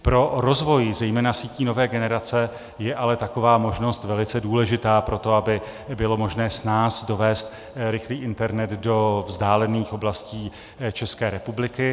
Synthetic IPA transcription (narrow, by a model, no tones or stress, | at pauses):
pɾo̞ɾo̞zvo̞jzɛjmɛːnasiːciːno̞vɛːɡɛnɛɾat͡sɛ | jɛʔalɛt̪ako̞vaːmo̞ʒno̞st̪vɛlɪt͡sɛduːlɛʒɪt̪aːpɾo̞t̪o̞abɪ | bɪlo̞mo̞ʒnɛːsnaːsdo̞vɛːst̪ | ɾɪxliːʔɪnt̪ɛɾnɛd̪do̞vzdaːlɛniːxo̞blasciː | t͡ʃɛskɛːɾɛpublɪkɪ